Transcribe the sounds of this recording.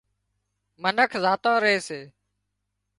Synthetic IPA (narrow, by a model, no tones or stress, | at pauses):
mənəkʰzaːt̪ãːɾəeːseː